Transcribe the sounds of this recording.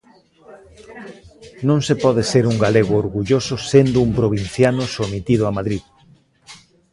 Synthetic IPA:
nõŋsepɔðeseɾuŋɡaleɣʊoɾɣuʎosʊsend̪ʊumpɾoβ̞in̟θjanʊsomit̪iðʊamaðɾið

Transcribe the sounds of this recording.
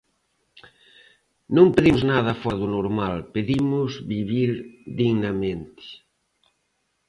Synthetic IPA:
nõmpeðimʊznaðɐfɔðʊnoɾmalpeðimʊzβiβiɾd̪iɣnɐmẽnt̪ɪ̥

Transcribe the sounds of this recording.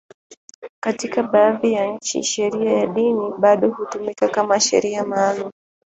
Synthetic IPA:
katikaɓaːðijaɲ̩t͡ʃḭʃɛɾiajaɗiniɓaɗɔhutumikakamaʃɛ̰ɾiamaːlum

